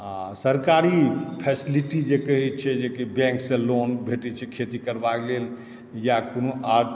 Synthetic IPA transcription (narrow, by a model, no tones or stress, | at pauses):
ãsəɾkaɾipʰɛsiliʈid͡ʒekəɦɛt̪t͡ʃʰɛd͡ʒekebɛ̃ŋksẽlonbʱeʈɛt͡ʃʰɛkʰet̪ikəɾbaklel | jakonoʔa